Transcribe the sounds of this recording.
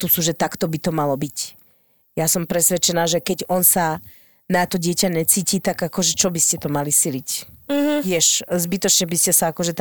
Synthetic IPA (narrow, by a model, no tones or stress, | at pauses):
t̪usuʒɛt̪akt̪ɔbit̪ɔmalɔbic | jasɔmpɾɛsʋɛt͡ʃɛnaːʒɛkɛɟɔnsa | nat̪ɔɟɪɛcaɲɛt͡siːcit̪aɡakɔʒɛt͡ʃɔbiscɛt̪ɔmalisilic | ʋɪɛʃzbit̪ɔt͡ʃɲɛbiscɛsaakɔʒɛt̪